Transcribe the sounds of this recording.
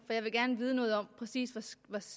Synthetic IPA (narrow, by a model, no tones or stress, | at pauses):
fɒ̽jɑ̈ɪʋe̝ɡ̥æɐnəʋiːð̞ˠnɔ̽ːðˠɒ̽m̰pʰʁɛsḭːsʋʋɒs